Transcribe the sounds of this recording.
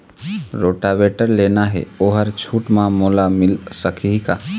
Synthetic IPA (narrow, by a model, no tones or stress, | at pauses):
ɾoːʈaʋeːʈəɾleːnaɦɛ̰oːɦəɾt͡ʃʰuːʈmãmoːlamɪlsəkʰika